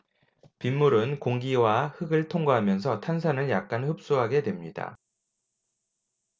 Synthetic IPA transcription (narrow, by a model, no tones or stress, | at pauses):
pimːuɾɯnkoŋɡiwahɯɡɯɭtʰoŋɡoɦamjʌns̬ʰʌtʰans̬ʰanɯɭjak̚k͈anhɯp̚s͈uɦaɡe̞dwe̞mɲida̰